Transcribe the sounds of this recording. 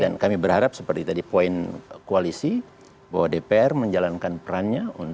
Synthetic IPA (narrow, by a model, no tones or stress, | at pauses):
da̰nkamibərhaɾap̚səpərt̪it̪adipoinkoalisi | bawadepeɛrməɲd͡ʒalankanpəɾanɲaun